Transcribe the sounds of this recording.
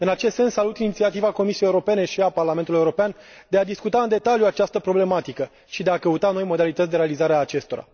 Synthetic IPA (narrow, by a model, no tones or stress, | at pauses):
ɨnat͡ʃe̞st̪se̞nsːalut̪init̪siat̪ivako̞misiejeuɾo̞pe̞ne̞ʃiaparlament̪uljeuɾopeand̪e̞ad̪iskut̪aɨnd̪e̞t̪aljuat͡ʃast̪əpɾo̞ble̞mat̪ikə | ʃid̪e̞akəut̪ano̞jmo̞d̪alit̪ət̪sʲd̪eɾe̞alizaɾeaːt͡ʃe̞st̪o̞ɾa̰